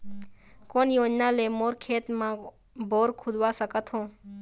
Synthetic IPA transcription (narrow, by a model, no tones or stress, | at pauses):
koːnjoːd͡ʒnaːleːmoːɾkʰeːt̪mã | bʱoːɾkʰʊd̪ʋaːsəkət̪ʰɦõː